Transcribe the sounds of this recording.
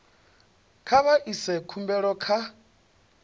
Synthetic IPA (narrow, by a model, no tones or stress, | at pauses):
kʰaβaʔisɛkʰumbɛɺɔkʰa